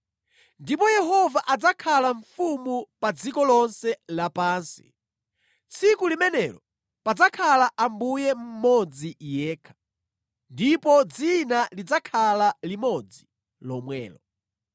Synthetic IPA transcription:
ndipɔjɛɦɔvaʔad͡zakʰalaɱfumupad͡zikɔlɔnsɛlapaːnsi̥̰ | t͡sʰikulimɛnɛlɔ | pad͡zakʰalaʔambujɛm̩mɔd͡zijɛːkʰḁ | ndipɔd͡zinalid͡zakʰalalimɔd͡zi | lɔmwɛ̰ːlɔ̰

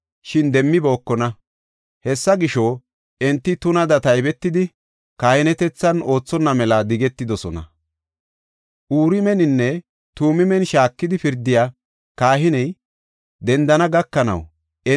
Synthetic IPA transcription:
ʃɪnd̪ɛmːɪbo̞ːkːɔnɐ | hɛsːɐɡɪʃo | ɛnt̪ːɪt̪ʊnɐd̪ɐt̪ɐjbɛt̪ːɪd̪ɪ | kaːhɪnɛt̪ɛt͡sːɐno̞ːt͡sːɔnːɐmɛlɐd̪ɪɡɛt̪ːɪd̪ɔsɔnɐ̰ | ʔuːɾɪmɛnɪnːɛ | t̪uːmɪmɛnʃaːkːɪd̪ɪfɪɾd̪ɪjaː | kaːɦɪnɛj | d̪ɛnd̪ɐnɐɡɐkːɐnɐ̰w | ɛ

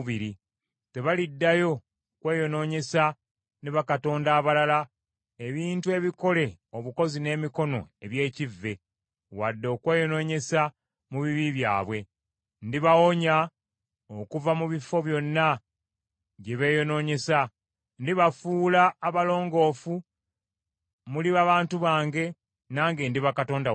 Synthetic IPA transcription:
βiɾi | te̞βalidːajo̞ | kwe̞ːjo̞no̞ːɲe̞sa | neβakato̞ːndaːβalala | eβiːntue̞βiko̞le̞oβuko̞zine̞ːmiko̞no̞̰e̞βje̞ːcivːe̞ | wadːo̞ːkwe̞ːjo̞no̞ːɲe̞sa | muβiβiβja̰ːβwe̞ | ndiβawo̞ɲa | okuvamuβifo̞βjo̞nːa | ɟeβe̞jo̞no̞ːɲe̞sa | ndiβafuːlaːβalo̞ːŋɡo̞ːfu | muliβaːβaːntuβaːŋɡe̞ | naːŋɡe̞ndiβakato̞ːnda

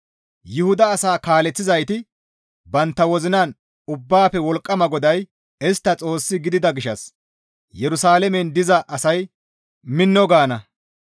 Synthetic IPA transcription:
jʊhʊd̪ɐːsaːkaːlɛt͡sːɪzɐjt̪ɪ | bɐnt̪ːɐwɔzɪnaːn | ʊbːaːpɛwɔlkʼːɐmɐɡɔd̪ɐj | ɛst̪ːɐt͡sʼo̞ːsːɪɡɪd̪ɪd̪ɐɡɪʃɐs | jɛɾʊsaːlɛmɛnd̪ɪzɐʔɐsɐj | mɪnːɔɡaːnɐ

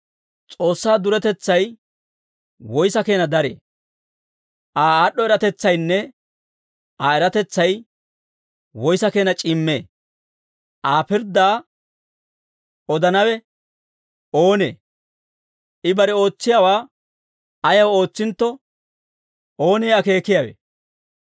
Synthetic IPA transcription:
t͡sʼo̞ːsːaːd̪ʊɾɛt̪ɛt͡sːɐj | wɔjsɐke̞ːnɐd̪ɐɾḛː | ʔaːaːɗːɔɛɾɐt̪ɛt͡sːɐjnːɛ | aːɛɾɐt̪ɛt͡sːɐj | wɔjsɐke̞ːnɐt͡ʃʼɪmːḛː | ʔaːpɪɾd̪aː | ɔd̪ɐnɐwɛ | o̞ːnḛː | ʔɪbɐɾɛo̞ːt͡sːɪjawaː | ɐjɐwo̞ːt͡sːɪnt̪ːɔ | o̞ːneːɐke̞ːkɪjawḛː

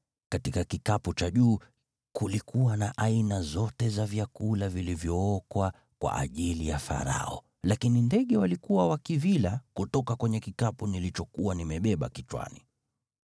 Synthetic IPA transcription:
katikakikaput͡ʃaʄuː | kulikʰuwanaʔainazɔtɛzavjakulavilivjɔɔkwa | kwa̰ʔa̰ʄilijafa̰ɾa̰ɔ̰ | lakinindɛɠɛwalikuwawakivilakutɔkakwɛɲɛkikapunilit͡ʃɔkuwanimɛɓɛɓa̰kit͡ʃwa̰ni

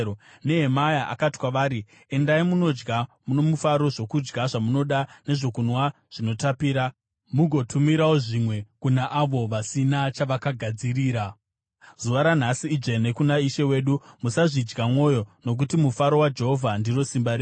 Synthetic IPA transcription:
ne̞ɦemajaʔa̰kati̥kwaʋaːɾi | e̞ndaimuno̞d͡ʒɡamuno̞mufaɾo̞ʐo̞kud͡ʒɡaʐamuno̞ɗane̞ʐo̞kunwa | ʐ̥ino̞tapiːɾa | muɡʱo̞tʰumiɾawoʐimwe̞kunaʔaʋo̞ʋasinat͡ʃaʋakaɡʱad͡ziriːɾa | zuʋaɾan̤asiːd͡ʒene̞kunaiʃe̞we̞ːɗumusaʐid͡ʒɡamwo̞ːjo̞no̞k̬utimufaɾo̞wad͡ʒe̞ɦo̞vʱandiro̞simbaɾe

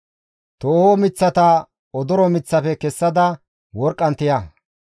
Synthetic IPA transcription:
t̪oːhoːmɪt͡sːɐt̪ɐ | ɔd̪ɔɾɔmɪt͡sːɐfɛkɛsːɐd̪ɐ | wɔɾkʼːɐnt̪ɪjɐ

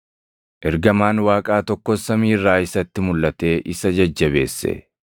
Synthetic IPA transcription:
ʔɛɾɡɐmaːnwaːkʼaːt̪ɔkːɔsːɐmiːrːaːɪsɐt̪ːɪmʊlːɐt̪e̞ːʔɪsɐd͡ʒɐd͡ʒːɐβe̞̰ːsːɛ̰

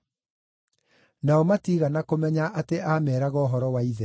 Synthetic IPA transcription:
naɔmatiːɣanakomɛɲaʔateʔamɛːɾaɣɔːɦɔɾɔwaiðɛ

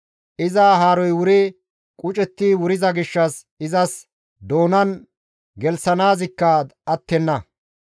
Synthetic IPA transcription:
ʔɪzaːɦaːɾɔjwʊɾe | kʼʊt͡ʃʼɛt̪ːiwʊɾɪzɐɡɪʃːɐs | ɪzɐs | d̪o̞ːnɐn | ɡɛlsɐnaːzɪkːɐɐt̪ːɛnːɐ

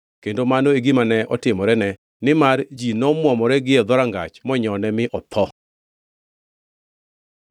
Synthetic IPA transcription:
kendomanoeɡimanɛʔɔtɪmɔɾɛnɛ | nɪmard͡ʒinɔmwɔmɔɾɛɡɪɛd̪ɔɾaŋɡa̰t͡ʃmɔɲɔnɛmɪʔɔt̪ʰɔ

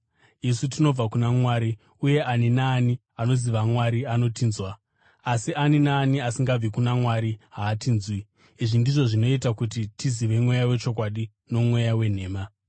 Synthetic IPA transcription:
isutino̞b͡vakunamwaːɾi | uje̞ʔaninaːni | ano̞ziʋamwaɾiano̞tiːnzwaː | sianinaːniasiŋɡab͡vikunamwaɾiɦaːtiːnzwiː | ʐindiʐo̞ʐino̞itakutitiziʋe̞mwe̞jawe̞t͡ʃo̞k̬waɗi | no̞mwe̞jawe̞n̤e̞ːma

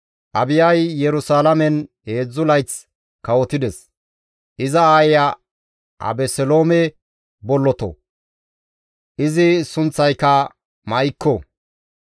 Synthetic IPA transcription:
ʔɐbɪjɐjːɛɾʊsaːlɐmɛnhe̞ːd͡zːʊlɐjt͡s | kɐwɔt̪ɪd̪ɛs | ʔɪzɐaːjjɐ | ʔɐ̰bɛsɛlo̞ːmɛ | bɔlːɔt̪ɔ̰ | ʔɪzɪsʊnt͡sːɐjkːɐ | mɐjkːɔ

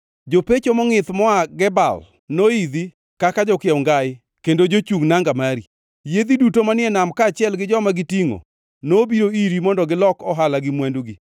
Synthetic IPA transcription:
d͡ʒopet͡ʃomɔŋɪt̪mɔaɡɛba̰l | noid̪i | kakad͡ʒɔkɪɛŋɡaɪ | kendod͡ʒot͡ʃuŋnaŋɡamaɾi | jed̪idutomanɪɛnamkaːt͡ʃɪɛlɡɪd͡ʒɔmaɡɪtiŋo̰ | nobiɾoiɾimɔndɔɡɪlɔkɔɦalaɡɪmwanduɡi

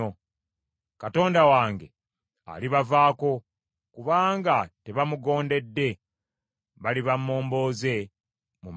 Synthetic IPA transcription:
o | kato̞ːndawaːŋɡe̞ | a̰liβavaːko̞ | kuβaːŋɡate̞βamuɡo̞ːnde̞dːe̞ | βaliβamːo̞ːmbo̞ːze̞ | mum

